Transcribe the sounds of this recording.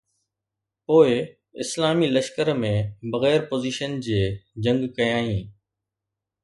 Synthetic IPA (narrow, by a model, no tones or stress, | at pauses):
poːɪ | ɪ̰slaːmilɐʃkəɾmẽbɐɣɛːɾpoːziːʃənd͡ʑeːd͡ʑɐ̃ŋɡkɐjãːɦĩː